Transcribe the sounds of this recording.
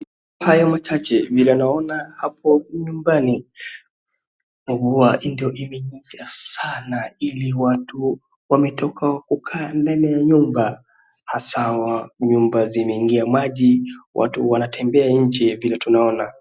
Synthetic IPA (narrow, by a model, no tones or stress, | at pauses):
hajɔmat͡ʃat͡ʃɛvilɛnaɔnahap̚ʰɔɲumbani | uɡuaʔindiɔʔimɛiɲiasanailiwatu | wamɛtɔkʰakukʰaːndanɛjaɲumba | hasawaɲumbazimɛiŋɡiamaʄiwʔa̰tuwanatʰɛmbɛaɲ̩t͡ʃɛvilɛtunaɔna